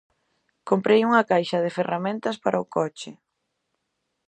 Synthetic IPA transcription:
kompɾejuŋɐkajʃɐð̞ɪferamẽnt̪ɐspaɾʔaʊkɔt͡ʃɪ

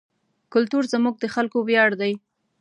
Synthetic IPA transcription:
kʊlt̪uɾzəmuɡ̚d̪əxalkowjɑɽd̪aj

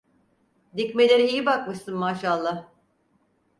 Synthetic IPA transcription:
d̪icmelʲe̞ɾiijibak̚mɯʃsɯnmaːʃalˠːah

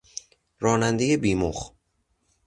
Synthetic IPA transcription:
rɒːnænd̪ejebiːmoχ

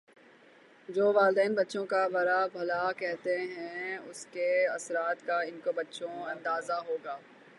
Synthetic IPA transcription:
d͡ʒoːʋaːld̪ɛːnbɐtːʃõkabɐɾabʱɐlakɛɦt̪eɦɛ̃ʊskeɐsɾaːt̪kaɪnkobɐtːʃõɐ̃nd̪aːzaɦoːɡaː

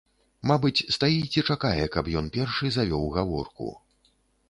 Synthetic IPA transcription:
mabɨt͡sʲst̪ajit͡sʲɛt͡ʂakajɛkɐpjɔnpʲɛrʂɨzavʲɔwɣavɔ̰rkṵ

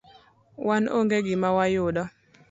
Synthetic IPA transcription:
wʔanoŋɡeɡɪmawajʊɗɔ

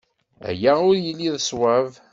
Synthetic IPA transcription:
æ̰jæʊɾjəlːiðəswav

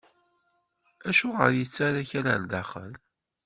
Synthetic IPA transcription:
æʃuʁəɾjət͡sːaɾaçæɾænd̪aχə̰l

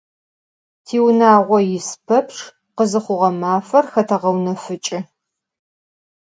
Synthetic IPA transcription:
tʰiːwnaːʁʷɔjɪspʰɐpʰʂ | qəzɨχʷʊʁɐmaːfɐrxɐtʰɐʁɐwnɐfɨt͡ʃʼɪ

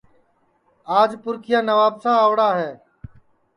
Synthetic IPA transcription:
aːd͡ʒpʊɾkʰɪjaːnəʋaːbsãːəʋɽaːɦɛː

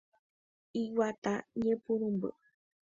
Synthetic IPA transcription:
iwat̪aɲẽpuɾ̃ũmbɨ̰

